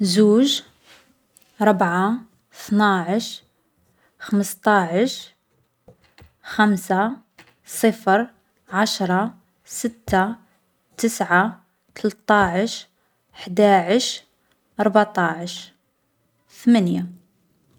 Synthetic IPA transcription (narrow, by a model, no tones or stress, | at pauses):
zuːʒ | ɾˤəbʕa | θnaʕəʃ | xəməst̪ˤɑʕəʃ | xæmsa | sˤəfɾ | ʕaʃɾˤɑ | sət̪ːa | t̪əsʕa | t̪ʰəlt̪ˤaʕəʃ | ħd̪aʕəʃ | ʔɑɾˤbʕt̪ˤaʕəʃ | θmanja